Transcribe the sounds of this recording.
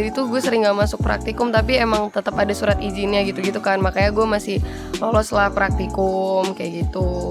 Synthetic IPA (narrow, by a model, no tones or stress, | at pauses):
dit̪uɡuɛsəɾɪŋɡamasʊk̚pɾa̰k̚t̪ikʊmt̪apiemaŋt̪ət̪əpadasuɾat̪izinɲaɡit̪uɡit̪ukanmakajaɡuamasɪh | lolɔslahpɾak̚t̪ikʊmkajaɡit̪u